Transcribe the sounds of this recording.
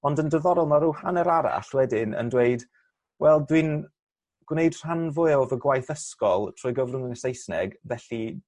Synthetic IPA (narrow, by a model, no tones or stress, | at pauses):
ɔndəndəðɔɾɔlˠnaɾuhanɛɾaɾa̰ɬwɛdɪnə̰ndweɨd | wɛlˠdwin | ɡ̥wnejd̥r̥anvʊjɔvəɡwajθəskɔlˠtʰr̥ɔjɡəvrʊŋəŋəsejsnɛ̰ɡvɛɬi